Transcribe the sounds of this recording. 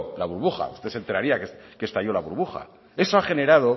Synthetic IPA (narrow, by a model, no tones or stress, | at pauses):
laβuɾβuxa̰ṵst̪e̞se̞nt̪e̞ɾaɾiakeskest̪aʝo̞laβuɾβuxa̰ | e̞so̞aχe̞ne̞ɾað̞o̞